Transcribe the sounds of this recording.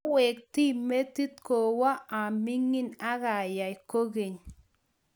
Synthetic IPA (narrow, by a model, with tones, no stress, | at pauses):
wɛ˨k̚ti˦me˦ti˦t̪̚ko˨wa˦a˨mɪ˦ŋɪ˦na˦ɣa˨ja˨ɪ˨ko˦ɣe˨ɲ